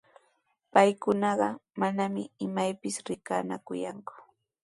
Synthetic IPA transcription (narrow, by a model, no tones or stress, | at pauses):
pajkʊnɑɢɑmanamɪɪmajpɪsɾɪka̰ːna̰kʊja̰ŋkʊ̥